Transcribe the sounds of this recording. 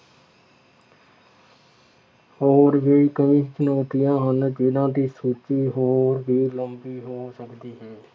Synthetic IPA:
hoːɾʋeːikəʋĩːt͡ʃənoːt̪ijãːɦənd͡ʒɪd̪ãːd̪iːsuːt͡ʃiːɦoːɾbiːləmbiːɦoːsəkd̪iːɦɛ̃ː

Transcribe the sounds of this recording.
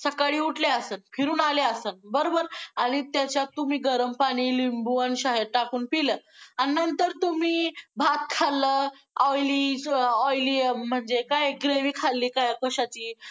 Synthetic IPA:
səkaɭiːuʈleasəːnfʰiɾuːnaleasənbəɾobəɾaɽ̃it̪jat͡ɕjat̪ːum̤iːɡəɾəmpaɽ̃iːlimbuənɕaɦeɾ̚ʈakuːnpiləːanənt̪əɾt̪um̤iːbʱat̪̚kʰalə | ɔjliːɔjlim̤əɳd͡zekajɡɾeʋiːkʰalːiːkajakəɕat͡ɕiː

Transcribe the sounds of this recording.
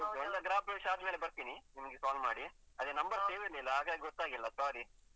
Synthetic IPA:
ɔldɐɡɾaːp̚beːʂɐaːd̪meːlebɐɾt̪iːninimɐɡepaːlma̰ːɽi | ɐd̪enɐmbɐɾseːʋiɾlilːɐɦaːɡaːɡiɡɔt̪ːaːɡilːɐsaːɾi

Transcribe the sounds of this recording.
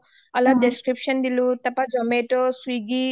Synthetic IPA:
ɔlɔp̚deskɹipsɔndilũtapazɔmetɔsuiɡi

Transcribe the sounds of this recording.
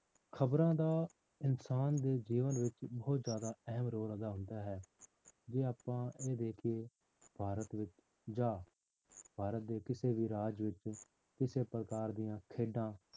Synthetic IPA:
kʰəbɾãːd̪aː | ɪnsaːnd̪eːd͡ʒiːʋənʋɪt͡ʃbɔːʊt̪zjaːd̪aːɛɦəmɾoːɾəd̪aːɦʊ̃nd̪aːɦɛː | d͡ʒeːaːpãːeːd̪eːkʰeː | b̥ʱaːɾət̪ʋɪt͡ʃ | d͡ʒaː | b̥ʱaːɾət̪̚d̪eːkɪseːʋiːɾaːd͡ʒʋɪt͡ʃ | kɪseːpəɾəkaːɾd̪ijãːkʰeːɖãː

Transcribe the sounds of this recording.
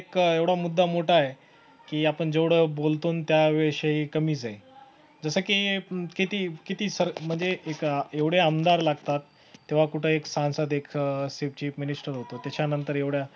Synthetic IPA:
ekeʋɽamud̪ʱːamoʈʰaje | kiːapəɳd͡zeʋɽ̤əbolt̪uːnt̪jaʋɛɕaɦiːkəmiːd͡zae | d͡zəsəːkikit̪iːkit̪iːsəɾm̤əɳd͡zeʔekeʋɽ̤jeəmd̪aɾlaɡt̪at̪ː | eʋ̤akuʈʰəeksãnsad̪ekʰseft͡ɕiːfminisʈəɾɦot̪ot̪jat͡ɕanənt̪əɾeʋɽja

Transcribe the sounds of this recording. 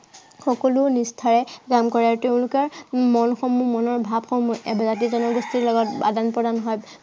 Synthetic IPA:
xɔkɔlʊnistʰaɹɛkamkɔɹaɹteʊ̃lʊkɛɹmɔnxɔmːumɔnɔɹbʱabxɔmuʔɛbazat̬izɔnɔɡɔstiɹlɔɡɔtba̰danpɹɔdanɦɔj

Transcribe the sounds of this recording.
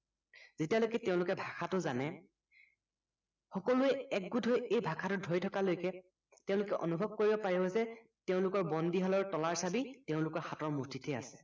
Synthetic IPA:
z̥itialokɛteʊ̃lʊkɛbʱakʰatʊzanɛ | xɔkɔlʊɛɛk̚ɡudʱɔjejbʱakʰatʊdʱojtʰɔkalojkɛ | tɛʊ̃lʊkɛʔɔ̰nubʱɔb̚koɹibɔpaɹibɔzɛ | teʊ̃lʊkɔɹbɔndiɦalɔɹtɔlaɹsabiteʊ̃lʊkɔɹxatɔɹmutʰitʰɛa̰sɛ̥

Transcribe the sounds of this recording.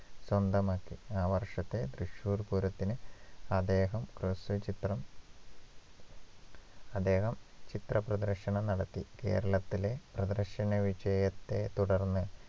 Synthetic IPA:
swɐnd̪ɐmaːkːiaːʋɐrʂɐt̪ːe̞d̪rɨʂuːrpuɾɐt̪ːinɨɐd̪eːɦɐmkrɨsɨt͡ɕit̪rɐm | ɐd̪e̞ːɦɐmt͡ɕit̪rɐprɐd̪ɐrʂɐɳɐmnɐɽɐt̪ːike̞̰ːɾɐɭɐt̪ːile̞prɐd̪ɐrʂɐnɐʋid͡ʑɐjɐt̪ːe̞t̪uɽɐrnːɨ

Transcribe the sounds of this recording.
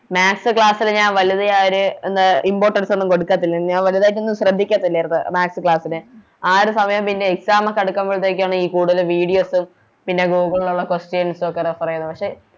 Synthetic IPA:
maːksɨkɭaːsilɲaːnʋɐljɐðɐaoɾuend̪aʔimbo̞ːʈːɐɽsɐnːumko̞ɽukːaːt̪ːilːiɲaːnʋɐliɐðaːjit̬ːonːumɕrɐd̪ʱːikʲːaːt̪ːilːɐrt̪ɨmaːksɨkɭaːsinɨ | aːɾusɐmɐjɐmpinːe̞eksaːmɐkːɐɽukːamboɭit̪ːeːk̬ʲːaːɳɨiːkuːɽuðɐlʋiːɽijo̞ːsum | pinːe̞ɡuːɡɐɭɭːuɭːɐkosʈjensokːerepɐrɐjunːupɐkʂeː

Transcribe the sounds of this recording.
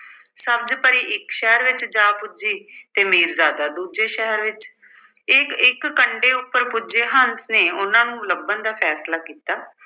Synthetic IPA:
səb̚d͡ʒpəɾiːʔɪkʃɛɦɾʋɪt͡ʃd͡ʒaːpʊd͡ʒiːt̪eːmeːɾzaːd̪aːd̪uːd͡ʒeːʃɛɦəɾʋɪt͡ʃ | ɪkɪkːəɳɖeːʊpːəɾpʊd͡ʒeːɦənsneːʊnãːnũːləbənd̪aːpʰɛːslaːkiːt̪aː

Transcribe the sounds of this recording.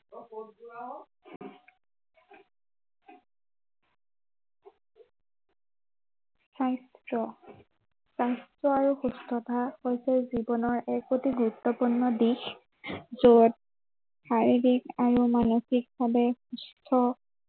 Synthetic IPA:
sajstɹɔ | sajstɹɔaɹuxustʰɔtʰahojsɛzibɔnɔɹʔɛkːotiɡuɹutːɔpuɹnːɔdix | zod̚ | xaɹiɹikaɹumanoxik̚babɛxustʰɔ

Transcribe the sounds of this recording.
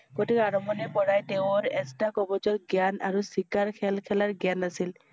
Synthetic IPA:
ɡotikaɹɔmɔnɛpɔɹajteʊ̃ɹɛstakɔbɔd͡ʒɔtɡjana̰ɹusikaɹkʰɛlkʰɛlaɹɡanasil

